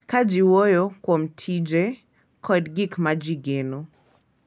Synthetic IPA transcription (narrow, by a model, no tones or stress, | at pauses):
kad͡ʒiwojokwomtʰid͡ʒe | kʰɔdɡikmad͡ʒiɡeno